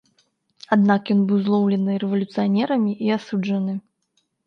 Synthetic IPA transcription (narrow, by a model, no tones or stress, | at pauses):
ad̪nakjɔnbɨwzlˠɔwlʲɛnɨɾɛvɐlʲut̪sɨjanʲɛɾɐmʲiʔiasud͡ʐɐnɨ